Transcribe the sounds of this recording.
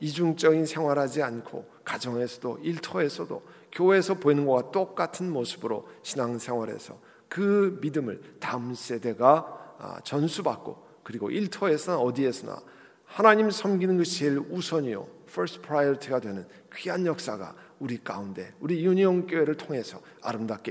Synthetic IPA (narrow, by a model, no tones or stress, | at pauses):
id͡ʑuŋt͡ɕ͈ʌɡinsʰe̞ŋwaɾɦad͡ʑiankʰo̰ | kad͡ʑʌŋe̞sʰʌdo̰iɭtʰʌe̞sʰʌdo̰ | kjowe̞ːsʰʌpoinɯnɡʌɡat͈ok͈̚atʰɯnmosʰɯbɯɾoɕʰinaŋnsʰeŋɦwaɾe̞̰sʰʌ | kɯmidɯmɯ̰ɭtams͈ʰe̞de̞ɡa̰ | t͡ɕʌnsʰubak̚k͈o̰ | kɯɾiɡo̰ʔiɭtʰʌe̞sʰʌnaʌdie̞sʰʌna̰ | hanaɲimsʰʌmɡinɯnɡɯɕʰieɭusʰʌɲio̰fʰʌɾspʰɾajʌtʰiɡadwe̞nɯn | kɥiɦanjʌk̚s͈aɡa̰ | uɾik͈a̰unde̞̰uɾijuɲiʌnk͈jowe̞ɾɯɭtʰoŋe̞sʰʌ | a̰ɾɯmdak͈e